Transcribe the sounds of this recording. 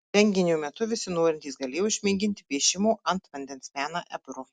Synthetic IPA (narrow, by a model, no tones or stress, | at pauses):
ʋʲɛŋʲɡʲɪnʲuːmʲɛt̪ʊʋʲɪsʲɪnoːɾʲɪnʲt̪ʲiːsɡɐlʲeːjoʊɪʃʲmʲiːɡʲɪnʲt̪ʲɪpʲiɛʃʲɪmuːɐnt̪ʋɐnʲd̪ʲɛnsmʲæːnɐʔɛ̰bɾuː